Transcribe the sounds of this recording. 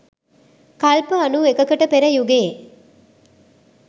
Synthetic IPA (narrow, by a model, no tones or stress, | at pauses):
kɐlpəɐnuekəkəʈəpeɾɐjuɡeː